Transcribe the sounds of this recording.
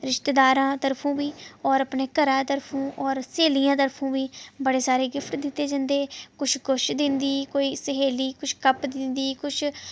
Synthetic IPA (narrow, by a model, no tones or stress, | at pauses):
ɾɪʃt̪eːd̪aːɾãːt̪əɾpʰõːbiːɔːɾəpneːkəɾãːt̪əɾpʰõːʔɔːɾseːlijãːt̪əɾpʰõːbiːbəɽeːsaːɾeːɡɪpʰʈd̪ɪt̪ːeːd͡ʒãːnd̪eːkʊt͡ʃʰɡʊʃd̪ɪnd̪iːkoːiːsəɦeːliːkʊt͡ʃʰkəpd̪ɪnd̪iːkʊt͡ʃʰ